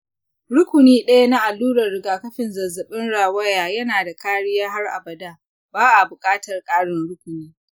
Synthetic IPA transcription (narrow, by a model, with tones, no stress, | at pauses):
ɽʊ˦kʷʊ˨niː˦ɗɐ˦ja˦na˦ʔa˨lːuː˦ɾɐ˨rːɪ˨ɡaː˨kɐ˦ɸɪ˨nzɐ˨zːɐ˨ɓɪ˦nɽaː˨wɐ˦jaː˨jɐ˦naː˨da˨kaː˦ɽɪ˦jaː˦ɦa˦rʔa̰˨bɐ˨daː˦ | baː˦ʔa˨bʊ˨kʼaː˦tɐ˨rkʼaː˦ɽɪ˦nɽʊ˦kʷʊ˨niː˦